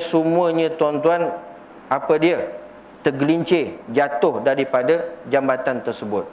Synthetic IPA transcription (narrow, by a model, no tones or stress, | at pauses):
səmũəɲə̃t̪uant̪uan | apədiə | t̪əɡəliɲt͡ʃed͡ʒat̪ʊhdaɾipadad͡ʒambat̪ant̪ərsəbʊt̪̚